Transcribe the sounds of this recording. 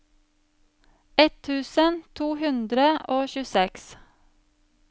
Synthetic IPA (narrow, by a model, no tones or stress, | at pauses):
ɛt̪ʰʉːsənt̪ʰuːhʉnd̪ɾəʔoːçʉsɛks